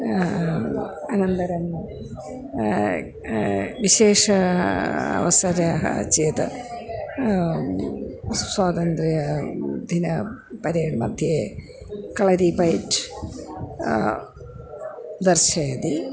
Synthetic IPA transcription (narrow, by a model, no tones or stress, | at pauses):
ɐnɐnt̪ɐɾɐm | ʋiɕeːʂɐ | ɐ̰ʋɐsɐɾɐ̰t͡ʃeːt̪ɨ̰ | swaːt̪ɐnt̪ɾijɐd̪ʱinɐ | pɐɾeːɳmɐ̰d̪ʱje | kɐɭɐɾipɐjʈ | d̪ɐrʃɐjɐd̪i